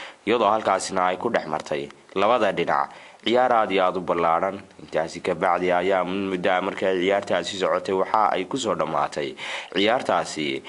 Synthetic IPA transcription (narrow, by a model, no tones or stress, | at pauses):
ɪjɐðɔːhɐlkʰaːsɪnɐɛjkʰʊɖɛħmɐ̰rt̪ʰɛj | lɐβɐðɐɖɪnɑ̰ʕ | ʕɪjaːɾaːd̪ɪaːd̪ʊbɐlaːɽɐnɪnt̪ʰaːsɪkʰɐbɑʕðɛɐjaːmʊd̪ɐmɐrkʰajʕɪjaːrt̪ʰaːsɪsɔʕɔt̪ʰɛjwɑħɑʔɛ̰jkʰʊs̬ɔːɖɐma̰ːt̪ʰɛjʕɪjaːrt̪ʰaːsɪ